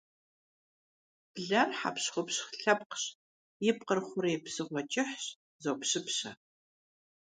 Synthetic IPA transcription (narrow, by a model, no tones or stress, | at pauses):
b̥ɮɐrħa̰pɕχʷʊpɕχɬɐpqɕ | jɪp̚qərχʷʊɾjpsɨʁʷɔt͡ʃʼɪħɕ | zowpɕɪpɕɐ